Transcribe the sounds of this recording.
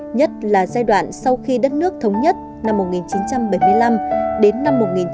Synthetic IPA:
ɲə˦˥t̚laː˨˩zaː˧jɗwa̰ː˧˨nsa˧wxi˧ɗə˦˥t̚nɨ˦˥ək̚t̪ʰə˨˦wŋ͡mɲə˦˥t̚ | na˧mːo˨˩t̚ŋi˨˩nt͡ɕi˨˦nt͡ɕa˧mɓə˧˩jmɨ˧əjla˧mɗe˨˦nːa˧mːo˨˩t̚ŋi˨˩n

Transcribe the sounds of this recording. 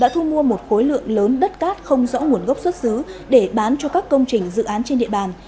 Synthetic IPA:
ɗa̰ː˧˥t̪ʰu˧mu˧əmo˨˩t̚xo˨˦jlɨ̰˧˨əŋləː˨˦nɗə˦˥t̚kaː˦˥t̚xə˧wŋ͡mzɔ̰˧˥ŋu˧˩ənɣə˦˥wk͡p̚swə˦˥t̚sɨ˨˦ɗe˧˩ɓaː˨˦nt͡ɕɔ˧kaː˦˥kːə˧wŋ͡mt͡ɕï˨˩ŋ̟zɨ̰˧˨ʔaː˨˦nt͡ɕe˧nɗḭ˧˨əɓaː˨˩n

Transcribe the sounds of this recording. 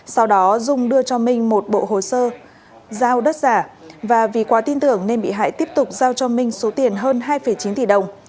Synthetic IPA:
sa˧wɗɔ˨˦zʊ˧ŋ͡mɗɨ˧ət͡ɕɔ˧mï˧ŋ̟mo˨˩t̚ɓo̰˧˨ɦo˨˩səː˧ | zaː˧wɗə˦˥t̚zaː˧˩vaː˨˩vi˨˩kwaː˨˦t̪i˧nt̪ɨ˧˩əŋne˧nɓḭ˧˨ɦa̰ː˧˨jt̪i˦˥əp̚t̪ʊ˨˩k͡p̚zaː˧wt͡ɕɔ˧mï˧ŋ̟so˨˦t̪i˨˩ənɦəː˧nɦaː˧jfə˧˩jt͡ɕi˨˦nt̪i˧˨˩ɗə˨˩wŋ͡m

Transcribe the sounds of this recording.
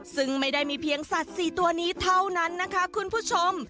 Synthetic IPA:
sɯ˥˩ŋma˥˩jdaː˥˩jmiː˧pʰi˧əŋsa˨˩t̪̚siː˨˩t̪u˧ɐniː˦˥t̪ʰa˥˩wna˦˥nːa˦˥kʰa˦˥kʰu˧npʰuː˥˩t͡ɕʰo˧m

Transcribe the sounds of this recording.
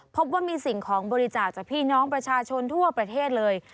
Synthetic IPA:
pʰo˦˥p̬̚waː˥˩miː˧si˨˩ŋkʰɔː˩˦ŋbɔː˧ɾi˦˥t͡ɕaː˨˩k̚t͡ɕaː˨˩k̚pʰiː˥˩nɔː˦˥ŋpɾa˧t͡ɕʰaː˧t͡ɕʰo˧nt̪ʰu˥˩ɐpɾa˧t̪ʰeː˥˩t̪̚lɤː˧j

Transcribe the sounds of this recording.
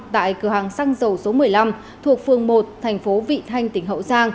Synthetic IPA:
t̪a̰ː˧˨jkɨ˧˩əhɦaː˨˩ŋsaː˧ŋzə˨˩wso˨˦mɨ˨˩əjla˧m | t̪ʰu˨˩ək̚fɨ˨˩əŋmo˨˩t̚t̪ʰɛ˨˩jŋ̟fo˨˦vḭ˧˨t̪ʰa˧jŋ̟t̪ï˧˩ŋ̟ɦə̰˧˨wsaː˧ŋ

